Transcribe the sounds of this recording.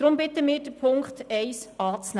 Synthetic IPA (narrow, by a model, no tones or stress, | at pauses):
d̥ɾʊmbɪt̪əmɪːɾd̥əpʰʊŋkχtɛɪsɑːt͡sn